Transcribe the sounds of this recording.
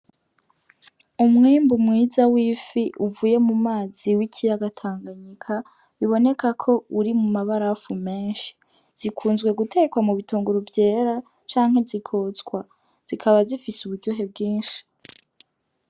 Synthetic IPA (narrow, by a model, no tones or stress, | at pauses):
umŋiːmbumŋiːzawiːfiʔuvuːje̞mumaːziwicʰijaɡatʰaːŋɡaɲikʰa | βiβo̞ne̞kakʰo̞uɾimumaβaɾafume̞ːnʃi̥ | z̥ikʰuːnzɡwe̞ɡutʰe̞kwamuβituːŋɡuɾuvje̞ːɾa | t͡ʃaːŋhe̞zikʰo̞zɡwa | z̥ikʰaβazifisuβudɟoɦe̞b̚ɡiːnʃi̥